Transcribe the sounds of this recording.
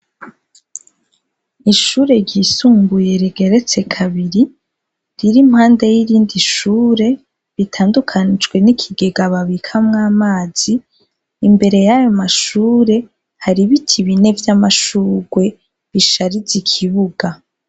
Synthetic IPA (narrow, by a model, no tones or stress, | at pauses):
iʃuːɾe̞ɾɟisuːmbuje̞ɾiɡe̞ɾe̞t͡se̞kʰaβiɾi | ɾiɾimhaːnde̞jiɾiːndiʃuːɾe̞ | βitʰaːndukʰanid͡ʒɡwe̞nikʰiɡe̞ɡaβaβikʰamŋaːmaːz̥iː | mbe̞ɾe̞jajo̞maʃuːɾe̞ | haɾiβitʰiβine̞vjamaʃuːɡwe̞ | βiʃaɾizikʰiβuɡa